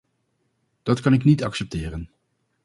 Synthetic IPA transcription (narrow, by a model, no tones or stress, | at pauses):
d̥ɑtkɑnɪknitɑksɛp̚tɪːrən